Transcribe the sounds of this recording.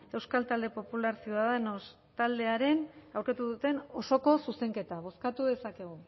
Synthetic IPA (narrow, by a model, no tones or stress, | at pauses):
e̞wskalt̪ald̪e̞po̞pulaɾsiuðaðenos | t̪ald̪e̞aɾe̞nawɾket̪uðut̪e̞no̞so̞ko̞suse̞ŋke̞t̪aβ̞o̞skat̪uðe̞sake̞ɣ̞u